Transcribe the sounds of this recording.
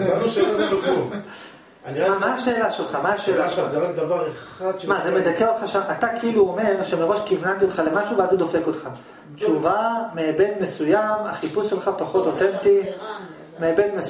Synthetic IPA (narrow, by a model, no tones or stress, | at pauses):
namaʃe̞ːlaʃelχamaaʃeːlaaʁakd̪ɐvaʁeχad̪mazemed̪akeot̪χaʃamat̪akeiluome̞ʁʃeme̞ʁo̞ʃkivnant̪io̞t̪χale̞maʃubeazed̪o̞feko̞t̪χa | t͡ʃuvameːbe̞dme̞sujamaχipusʃe̞lχapaχo̞t̪o̞t̪ent̪i | meːbe̞dme